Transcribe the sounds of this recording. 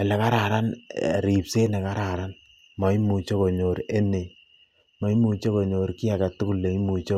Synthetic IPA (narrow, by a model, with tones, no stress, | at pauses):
ɛ˨lɛ˨ka˦ɾa˨ɾa˦n̰˨ɾi˨pse˦nɛ˨ka˦ɾa˨ɾa˦n | mɔ˨i˦mu˨t͡ʃo˦ko˨ɲo˨ɾe˦ne˨ | mɔ˨˦i˦mu˨t͡ʃe˦kɔ˨ɲo˨ɾki˦a˨ka˨tu˦ku˦lːe˨i˦mu˨t͡ʃo˦